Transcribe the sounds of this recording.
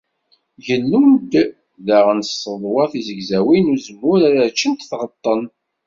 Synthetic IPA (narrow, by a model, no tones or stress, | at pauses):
ʝənːund̪ | ðaʁənsːəðˤwɑθizəɡzæwinuzəmːʊɾaɾəɾt͡ʃːənt̪θʁət̪ˤːən